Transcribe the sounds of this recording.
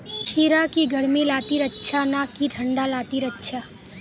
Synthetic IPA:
t͡ʃʰiɾakiɡʱəɽmilat̪iɾətːʃʰanakiʈʰəɳɖalat̪iɾətːʃʰa

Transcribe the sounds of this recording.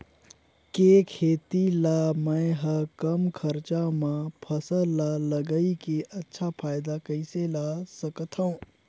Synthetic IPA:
kekʰeːt̪ilamə̃ɦəkəmkʰəɾt͡ʃamãpʰəsəlaləɡəikeʔɐtːʃʰapʰaːɪd̪akəɪselasəkət̪ʰɦə̃ũ

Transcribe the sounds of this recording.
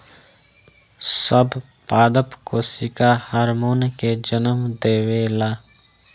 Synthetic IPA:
səb | paːd̪əpkosɪkahaːɾmoːnked͡ʒənəmd̪eːweːlaː

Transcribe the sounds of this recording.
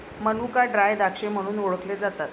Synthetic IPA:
mənukaɖɾajd̪akʂem̤əɽ̃uːnoɭəkled͡zat̪at̪

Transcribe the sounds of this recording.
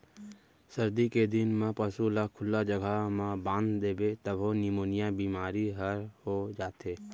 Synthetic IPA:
səɾd̪iked̪ɪnmãpəsulakʰʊlːad͡ʒəɡʱamãbãːnd̪d̪eːbet̪əbonɪmoːnɪjabiːmaːɾiɦəɾhod͡ʒaːt̪eː

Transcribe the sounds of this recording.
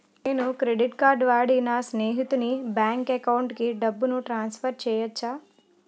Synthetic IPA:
neːnukɾe̞ɖiʈkaːɾɖʋaːɽinɐsneːɦit̪unibjaːŋkekɐwuɳʈkiɖɐbːunuʈɾaːnspʰɐɾt͡ʃɛːjɐt͡ʃːaː

